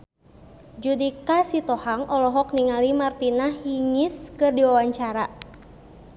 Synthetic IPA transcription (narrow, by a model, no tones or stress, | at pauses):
d͡ʒudikasit̪ɔhaŋʔɔlɔɦɔkniŋalimart̪inahiŋiskɨrdiwawaɲt͡ʃaɾa